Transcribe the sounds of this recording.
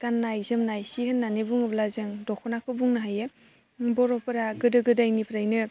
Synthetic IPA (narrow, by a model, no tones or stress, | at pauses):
kanːajzɯmnajsihɯnːanebuŋɯblazɯŋdɔkʰɔnakʰɯbuŋnɯɦaje | bɔɾɔpɯɾaɡɯdɯɡɯdajnipʰɾajnɯ